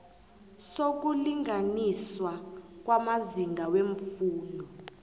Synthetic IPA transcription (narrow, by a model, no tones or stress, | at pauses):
sok̬uliŋaniswak̬wamaziŋɡʱaweɱfuːndʱɔ